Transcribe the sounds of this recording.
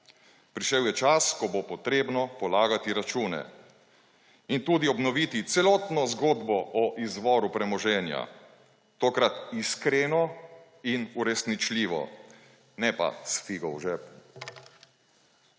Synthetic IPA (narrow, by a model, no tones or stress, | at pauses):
pɾiʃɛwjɛt͡ʃaskɔbopɔt̪ɾeːbnɔpɔlaːɡat̪iɾat͡ʃuːnɛ̰ | int̪uːd̪iɔbnɔʋit̪it̪sɛlɔːt̪nɔzɡoːd̪bɔʔɔʔizʋɔːɾupɾɛmɔʒɛːnja̰ | t̪oːkɾat̪iskɾeːnɔ | inuɾɛsnit͡ʃliːʋɔ̰ | nɛpa̰sfiɡɔwʒɛp